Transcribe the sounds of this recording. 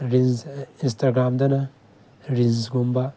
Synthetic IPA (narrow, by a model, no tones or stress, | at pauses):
ɾizinstaɡɾamdɐnɐ | ɾinzɡomba